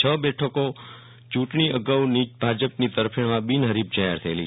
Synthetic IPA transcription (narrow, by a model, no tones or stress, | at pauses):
t͡ʃʰəbɛʈʰəko | t͡ʃũʈɳ̃iʔəɡəwnibʱad͡ʒəpnit̪əɾpʰiɳʋãbinɦəɾibd͡ʒaɦɛɾt̪ʰəeli